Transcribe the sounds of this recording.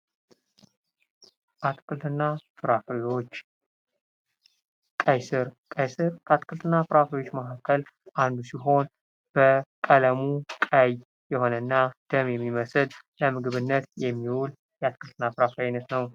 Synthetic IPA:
ʔat̪ʼkʼɨlt̪ʰɨnːafɨɾafwot͡ʃː | kʼajsɨɾkʼajsɨɾkʰəat̪ʼkʼɨlt̪ʰɨnːafɨɾafjwo̞t͡ʃːməhakʰːəlʔand̪usiɦo̞n | b̥əkʼələmukʼaj | jɛho̞nənːad̪̥əmjɛmːiməsɨd | ləmɨɡɨβɨnːət̪jɛmːiwul | jɛat̪ʼkʼɨlt̪ʰɨnːafɨɾafajnət̪nəw

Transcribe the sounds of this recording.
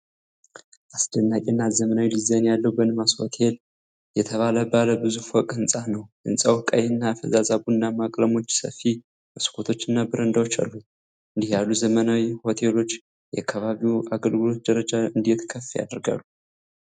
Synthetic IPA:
ʔasd̪ənːakʲʼɛnːat̪zəmənawilizənjalːəwbənɨmasho̞̰t̪ʰe̞l | jɛt̪ʰəβaləbaləbɨzufɔkʼɨnsʼanəwʔɨnsʼawkʼajɨnːafəzazaβuɨnːamakʼləmo̞t͡ʃːsə̰fi | məskʰo̞t̪ʰo̞t͡ʃːɨnːabɨɾənd̪awot͡ʃːa̰lːu | ʔɨnd̪ihjalːuzəmənawiho̞t̪ʰe̞lo̞t͡ʃː | jɛakʰːəβaβiuaɡəlɡɨlo̞t̪̚d̪əɾəd͡ʒaɨnd̪ijɛt̪ʰkʰəfːja̰d̪ɾɡa̰lːu

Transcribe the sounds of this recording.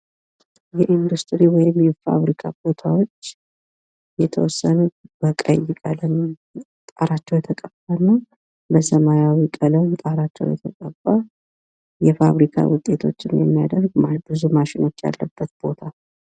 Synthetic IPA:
jɛʔind̪ust̪ʼɾiwɔjɪmjɛfa̰βɾikʰabo̞t̪ʰawot͡ʃː | jɛt̪ʰəwɔsːənub̥əkʼə̰jːɪkʼaləm | t̪ʼaɾat͡ʃːɛwjɛt̪ʰəkʼəbːanːa | bəsəmajawikʼələwmt̪ʼaɾat͡ʃːɛ̰wjɛ̰t̪ʰəkʼəba | jɛfaβɾikʰa̰wʊt̪ʼe̞t̪ʰo̞̰t͡ʃːɪnjɛ̰mːija̰d̪əɾɡbɨzumaʃɪno̞t͡ʃːja̰lːəbːət̪̚b̥o̞t̪ʰa

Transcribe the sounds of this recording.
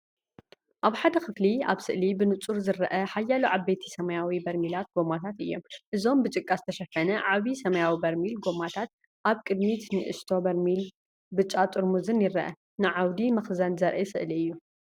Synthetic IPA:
ʔaβħad̪ɐxɨflia̰βsɨ̰ʔlibɨnɨt͡sʼuɾzɨɾɐʔɐħajːaluʕabːet̪ʰi̥sɐmɐjawibɐɾmilat̪̚ɡo̞mat̪ʰat̪ɨjːo̞̰mʔɨzo̞mbɨt͡ʃʼɨkʼːazɨt̪ʰɐʃɐfɐnɐʕaβisɐmɐjawibɐɾmilɡo̞mat̪ʰat̪̚ | ʔaβkʼɨd̪mit̪nɨʔɨ̰st̪ʰo̞bɐɾmil | bɨt͡ʃʼːat̪ʼɨɾmuzɨnjɪɾɐʔɐ̰ | nɨʕawd̪imɐxzɐnzɐɾʔɐ̰sɨ̰ʔliɨjːu

